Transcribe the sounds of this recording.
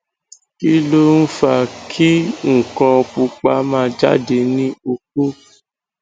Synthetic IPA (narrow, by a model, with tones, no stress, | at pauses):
ki˦lo˦n̩˦fa˧kʰi˦ŋ̩˨kɔ̃˧k͡pu˧k͡pa˧mãː˦˧d͡ʒa̰˦de˧nĩ˦o˧k̚o˦